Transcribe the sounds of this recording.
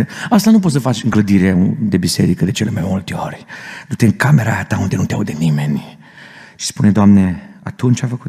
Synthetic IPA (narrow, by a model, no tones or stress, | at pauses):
ast̪anup̬ot̪səfat͡ʃɨŋɡləd̪iɾeud̪ebiseɾikəd̪et͡ʃelemajmult̪eoɾed̪ut̪eŋkameɾaat̪aund̪enunt̪ea̰wd̪enimen | ʃi̥spuned̪oamneat̪unt͡ʃajfəku